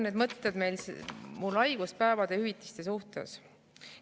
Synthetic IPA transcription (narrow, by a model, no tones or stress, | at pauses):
ned̪mɤt̪ːed̪me̞jlsmulɑjɡ̥uspæevɑd̪̥ehyvit̪ːˑi̥st̪e̞suht̪ḛs